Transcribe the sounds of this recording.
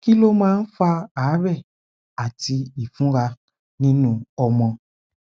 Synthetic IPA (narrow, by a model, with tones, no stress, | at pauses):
ki˦lo˦mãː˦n̩˦fa˧aː˨˦bɛ˦˨ | a˨ti˧i˨fũ˦ɾa˧ | nĩ˦nũ˧ɔ˧mɔ̃˧